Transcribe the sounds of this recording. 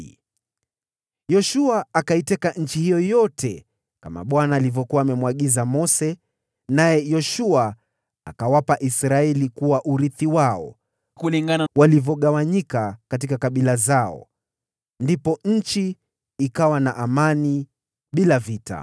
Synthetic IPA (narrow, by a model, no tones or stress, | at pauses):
jɔʃuaːkaitɛkaɲ̩t͡ʃihijɔjɔtʰɛ | kama̰ɓwanaːlivjɔkuwaːmɛmwaɠizamɔsɛ | najɛjɔʃua | a̰kawapaʔisɾaɛlikuwaʔuɾiθiwaɔ̰ | kuliŋɡanawalivjɔɠawaɲikakatikakaɓilazaɔ̰ | ndipɔɲ̩t͡ʃiː | kawanaʔamani | ɓilavita̰